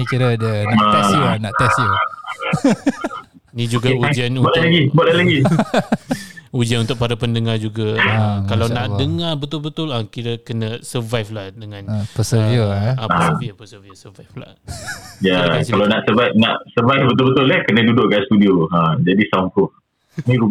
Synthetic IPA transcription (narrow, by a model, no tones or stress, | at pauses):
nikiɾədənaɛsnaʔt̪ɛsjo | nĩd͡ʒuɡaud͡ʒanubaʔllaɡibuaʔlalaɡi | ud͡ʒanunt̪ʊʔ̚paɾapəndəŋad͡ʒuɡakalawnãʔdəŋabət̪ʊlbət̪ʊlakiɾəkənə̃səvajflahdəŋãnpəsəoãpaiapəsəviosəvajfla̰ | jaakkalanaʔsəvajfnã̰ʔsəvajfbət̪̬ʊlbət̪ʊlahkənə̃dudʊʔkast̪udioãd͡ʒadisakʊ | nĩɾu